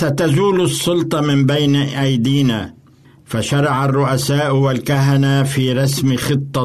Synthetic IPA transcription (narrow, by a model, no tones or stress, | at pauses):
sat̪azuːlɑsˤːʊlt̪ˤɑmɪmbajnʔajd̪iːna̰ː | faʃɑɾˤɑʕarˤːʊʔasaːʔwalkaɦanafiːɾˤɑsmxɨt̪ˤːɑ